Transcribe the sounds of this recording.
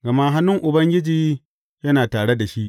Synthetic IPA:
ɡɐ˨ma˦ɦa˦nːʊ˦ŋʔʊ˨bɐ˦ŋɡʲɪ˦d͡ʒiː˦ | jɐ˦naː˨taː˨ɽe˦da˨ʃi˦ʔ

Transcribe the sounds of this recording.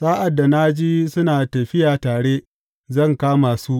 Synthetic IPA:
saː˦ʔa˨dːa˨na˦d͡ʒiː˦sʊ˦naː˨tɐ˨ɸɪ˦jaː˨taː˨ɽeː˦ | zɐ˦˨ŋkaː˦maː˨su˦ʔ

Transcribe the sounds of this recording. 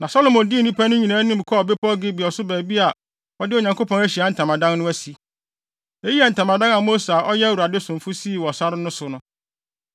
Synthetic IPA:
nã˨sɔ˦lo˨mɔ̃˨ndɪ˦˨nĩ˦pʰa˦nʊ̃˦ɲĩ˨nãː˦nɪ̃˦mi˨kʰbe˦pʰɔ˦ɡɪ˦bɪ˨ɔ˨sʊ˦bæː˨bi˦a˨ | ɔ˦dɪ˦o˨ɲã˨ŋko˦pʰɔ̃˦æ˦ɕi˨a˨˦n̩˨tʰã˨mã˨dã˦nnʊ̃˦æ˦si˨ | e˦ji˦a˨n̩˨tʰã˨mã˨dã˦ŋa˨mo˦sa˨ʔɔ˦jɛ˦wu˨a˨dɪ˦sʊ̃˨fʊ˦si˦˨wɔ˨sa˦ɾɪ˦nʊ̃˦sʊ˦nʊ̃˦

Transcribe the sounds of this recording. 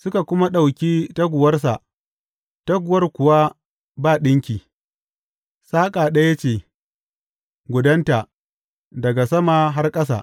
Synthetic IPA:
sʊ˦ka˨kʷʊ˦ma˦ɗa˨wkʲiː˦ta˦ɡʷʊ˨wɐ˦rs̬a˨ʔ | tɐ˦ɡʷʊ˨wɐ˦rkʷʊ˨wa˦ | baː˦˨ɗɪ˦ŋkʲiː˨ | saː˦kʼaː˨ɗɐ˦ja˦t͡ʃeː˦˨ | ɡʷʊ˨dɐ˦nta˨ | dɐ˨ɡa˨sɐ˦maː˨ɦa˦rkʼɐ˦sa̰ː˨ʔ

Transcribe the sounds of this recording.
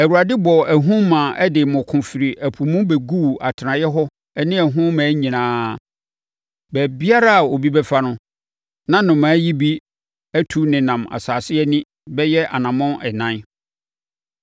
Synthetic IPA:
æ˨wu˨ɾa˨dɪ˦bɔ˨æ˨ɦũ˦mã˨ʔɛ˦dɪ˨mʊ̃˨kʰʊ̃˨fɪ˨ɾi˨ʔæ˨pʰu˨mʊ̃˦bɛ˨ɡu˦˨a̰˨tʰɪ˨nã˨jɛ˦ɦɔ˦ | ɛ˦nɪ̃˦æ˨ɦʊ̃˦mã˨˦ɲĩ˨nãː˦ | bæ˨bi˦a˦ɾa˦a˨o˨bi˦bɛ˦fa˦nʊ̃˦ | nã˦nʊ̃˨mãː˨˦ji˦bi˦ | æ˦tʰu˨nɪ̃˨nã˨ma̰˨saː˨sɪ˦ɛ˦nɪ̃˦ | bɛ˦jɛ˦ʔa˨nã˨mʊ̃˦ʔɛ˨nã˦n

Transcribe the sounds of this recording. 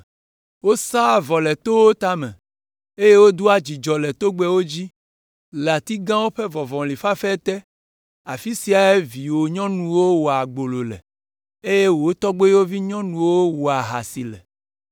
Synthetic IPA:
wo˦sa˦˨vɔ˨lɛ˨t̪o˦wo˦t̪a˦mɛ̰̃˨ | e˦je˦wo˦d̪u˦a˦d͡ʑi˨d͡ʒɔ˨lɛ˨t̪o˦ɡ͡bɛ˦wo˦d͡ʑi˦ | la˨t̪i˦ɡã˦wo˦ɸɛ˦vɔ˨vɔ̃˨li˨fa˦fɛ˦t̪ɛ˦ | a˨fi˦si˨a˨e˦vi˨wo˨ɲɔ̃˦nũ˨wo˦wo˨a˨ɡ͡bo˨lo˨lɛ̰˨ | e˦je˦wo˨o˦t̪ɔ˦ɡ͡bo˦wo˦vi˦ɲɔ̃˦nũ˨wo˦wo˨a˨ɦa̰˨si˨lɛ̰˨

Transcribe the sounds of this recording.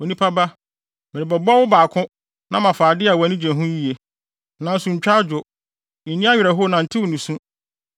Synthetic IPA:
wo˨nĩ˦pʰa˦ba˦ | mɪ˨ɾɪ˨bɛ˨bɔ˦wʊ˦baː˨kʰʊ̃˦ | nã˦mã˨faː˨dɪ˦a˨wa˨nĩ˦d͡ʑɛ̃˨ɦũ˦ji˦e˦ | nã˨n̩˦sũ˨ɲ̩˨t͡ɕᶣa˦d͡ʑʊ˨ | i˨nĩ˦a˦ɥᶣɛ˨ɦʊ˦˨nã˨n̩˨tʰɪ˦wʊ˨nũ˨sũ˦

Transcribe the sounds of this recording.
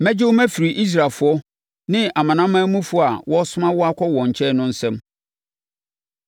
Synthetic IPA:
mæ̃˦d͡ʑɪ˦wo˦mæ̃˦fi˨ɾi˨ʔi˦s̬ɾa˨lfʊ˨˦ɔ˦ | nɪ̃˦a˨mã˨nã˦mːãː˦mũ˦fʊ˦˨a˨wɔ˦sʊ˦mã˦wɔ˦a˦kʰɔ˦wɔ̃˨ɲ̩˨t͡ɕʰɛ˦nʊ̃˦n̩˦sɛ̃˦m

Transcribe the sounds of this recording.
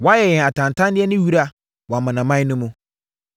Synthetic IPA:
wɔ˨˦a˦jɛ˨jɛ̃˨a˨tʰã˨n˨tʰã˦ndɪ˦ɛ˦nɪ̃˦ɥi˦ɾa˨ | wa˨mã˨nã˨mã˦ɪ˦nʊ̃˦mʊ̃˦

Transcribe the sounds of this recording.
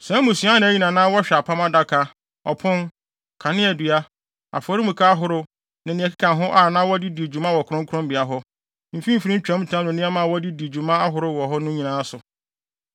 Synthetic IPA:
sɛ̃˦mũ˨su˨˦a˦nã˨æ˦ɲĩ˨nã˨nãː˦wɔ˦ɕᶣɛ˨a˨pʰã˦ma˦da˦kʰa˦ | ɔ˨pʰʊ̃˦n | kʰa˨nɪ̃˦æ˨dɥa˦ | a̰˨fɔ˨ɾi˦mũ˨kʰa˦a˦ɦʊ˦ɾʊ˦ | nã˨nĩ˨ɛ˨kʰi˦kʰã˨nɦʊ̃˦ʔa˦˨nãː˦wɔ˦dɪ˦di˨e˨d͡ʑu˨mã˦wɔ˨kʰʊ˦ɾʊ̃˦ŋ˦kʰʊ̃˦mbɪ˨a˨ɦɔ˦ | m̩˨fĩ˦m̩˦˨fi˦ɾĩ˦ɲ̩˦t͡ɕᶣã˨˦m˦tʰã˦nʊ̃˨nɪ̃˦a˦mã˨wɔ˦di˦di˨d͡ʑu˨mã˦a˦ɦʊ˨ɾʊ˦wɔ˨ɦɔ˦nʊ̃˦ɲĩ˨nã˨˦sʊ˨

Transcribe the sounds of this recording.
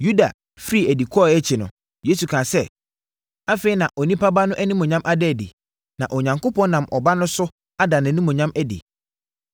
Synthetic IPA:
ju˦da˨ | fɾi˦˨æ˨di˨kʰɔ˦˨ɛ˦t͡ɕʰɪ˨nʊ̰̃˨ | je˦su˨kʰã˨sɛ˦ | a˦fe˨˦i˦nã˨ʔɔ˨nĩ˦pʰa˦ba˦nʊ̃˦ʔæ˦nĩ˦mɔ̃˨ɲã˦mʔa˦dɛ˦˨dɪ̰˨ | nã˨ʔɔ˨ɲã˨ŋko˦pʰɔ̃˦nã˨mʔɔ˨ba˦nʊ̃˦sʊ˦ | a˦da˨nã˨nĩ˦mɔ̃˨ɲã˦mæ˦dɪ̰˨

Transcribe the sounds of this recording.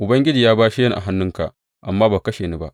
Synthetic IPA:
ʔʊ˨bɐ˦ŋɡʲɪ˦d͡ʒiː˨jaː˦baː˦ʃi˦jɐ˦nʔa̰˨ɦa˦nːʊ˦ŋka̰˨ʔ | ʔa̰˨mːaː˦baː˨kɐ˦ʃeː˨ni˦ba˦ʔ

